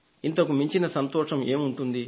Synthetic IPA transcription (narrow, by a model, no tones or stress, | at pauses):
int̪ɐkumiɲt͡ʃinɐsɐnt̪ɔːʂɐme̞ːmuɳʈund̪i